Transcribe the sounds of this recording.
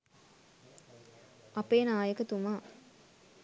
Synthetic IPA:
ɐpeːnaːjəkət̪umaː

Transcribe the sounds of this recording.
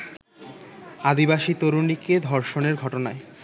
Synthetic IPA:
ad̪ibaʃit̪oɾuniked̪ʱɔɾʃoneɾɡʱɔʈonae

